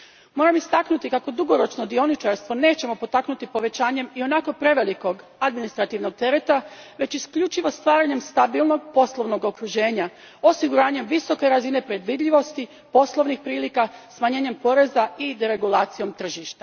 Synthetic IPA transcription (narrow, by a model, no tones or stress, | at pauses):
mo̞ːɾamist̪aknut̪ikako̞d̪uɡo̞ɾo̞t͡ʃno̞d̪io̞nit͡ʃaɾst̪ʋo̞ne̞ːt͡ɕe̞mo̞po̞t̪aknut̪ipo̞ʋe̞t͡ɕaːɲe̞mio̞nako̞pɾe̞ʋe̞liko̞ɡ | ad̪minist̪ɾat̪iʋno̞ɡ̚t̪e̞ɾe̞t̪aʋe̞t͡ɕiskʎut͡ʃiʋo̞st̪ʋaːɾaɲe̞mst̪abilˠno̞ɡ̚po̞slˠo̞ʋno̞ɡo̞kɾuʒe̞ːɲa | o̞siɡuɾaːɲe̞mʋiso̞ke̞ɾazine̞pɾe̞d̪ʋid̪ʎʲiʋo̞st̪i | po̞slˠo̞ʋnixpɾiːlikasmaɲe̞ːɲe̞mpo̞ɾe̞zaid̪eɾe̞ɡulaːt̪sijo̞mt̪r̩ʒiʃt̪ḁ